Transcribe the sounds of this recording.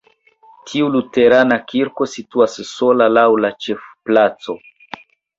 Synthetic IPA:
tʰiulute̞ɾanakʰiɾko̞situasːo̞lalawlat͡ʃe̞fplat͡so̞

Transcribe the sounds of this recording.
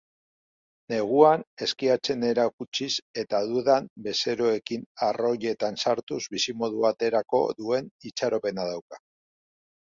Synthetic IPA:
ne̞ɣ̞uane̞skiat͡se̞ne̞ɾakut͡ʃise̞t̪aðuðambe̞se̞ɾoe̞kinaro̞ʎe̞t̪ansaɾt̪uzbisimo̞ð̞uβat̪e̞ɾako̞̰ðue̞nit͡ʃaɾo̞pe̞nað̞awkḁ

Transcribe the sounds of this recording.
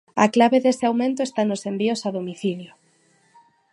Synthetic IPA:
a̰klaβeðeseawmẽnt̪oest̪anosembiosaðomiθiljo

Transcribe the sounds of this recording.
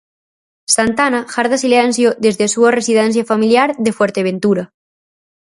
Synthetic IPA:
sant̪anaxaɾðasilɛnsjoðezðesuaresiðɛnθ̬jafamiljaɾðefwɛɾt̪eβent̪uɾa

